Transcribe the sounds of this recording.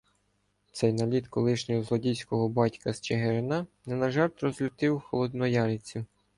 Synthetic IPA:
t̪sɛjnɐlʲidt̪kɔlˠɪʃnʲɔɦɔzlˠɔdʲijsʲkɔɦɔbɑtʲkɐst͡ʃeɦeɾɪnɑnɛnɐʒɑrt̪ɾɔzlʲʊt̪ɪwxɔlˠɔd̪nɔjɑɾɪt͡sʲi

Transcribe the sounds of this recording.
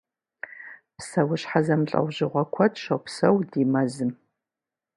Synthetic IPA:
psɐwʊɕħazɐmɬʼɐ̰wʑɪʁʷɐkʷʰɐtʰʼʃɐwpsɐwdimɐzɨm

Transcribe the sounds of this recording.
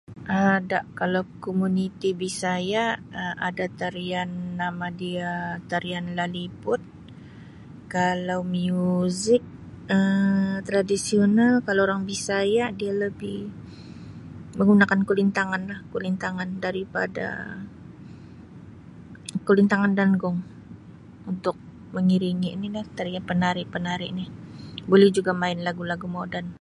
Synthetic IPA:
ʔadaʔkalawkomunit̪ibisajaəadat̪aɾianːamadiat̪aɾianlalipʊt̪̚ | kalawmiuzɪk̚ | ət̪ɾadisionalkalaoɾaŋbisajaʔdialəbɪh | məŋɡunakankulint̪aŋanlahkulint̪aŋandaɾipa̰da̰ | kəlint̪aŋandanɡʊŋ | unt̪ʊk̚ | məŋiɾiŋiʔnilaht̪aɾiapənaɾɪʔpənaɾɪʔnɪhbolɛhd͡ʒuɡamaɪnlaɡulaɡumodan

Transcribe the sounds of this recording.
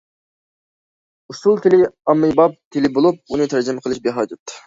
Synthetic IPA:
usulˠt̪ʰɪlɪɑmːɨjbɑp̚t̪ʰɪlɪbolˠup̚unɨt̪ʰæɾd͡ʒɪmɛqʰəlˠɨʃbeɦɑːd͡ʒɑt̪ː

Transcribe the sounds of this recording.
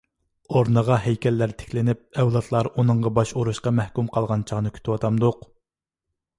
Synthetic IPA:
oɾnəʁɑɦɛjkʲɛlːæɾt̪ʰe̥kʲʰlɪnɪp̚ɛwlˠɑt̪ʰlˠɑɾunɨɴʁɑbɑʃoɾuʃqɑmɛhkʲymqʰɑlˠʁɑnt͡ʃʰɑʁnɨkʲʰy̥t̪ʰɪwɑt̪ʰɑmd̪ʊq

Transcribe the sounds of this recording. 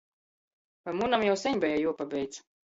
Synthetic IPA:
pamunamjawsʲɛɲʲbɛjajuɔpabʲɛjt̪s

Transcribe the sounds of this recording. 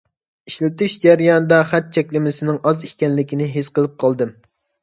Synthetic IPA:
iʃlɪt̪ɪʃd͡ʒɛɾjɑnɨd̪ɑχæt̪̚t͡ʃʰɛkʲlɪmɪsɪnɪŋɑzikʲɛnlɪkʲinɪɦesqəlˠɨp̚qʰɑlˠd̪ɨm

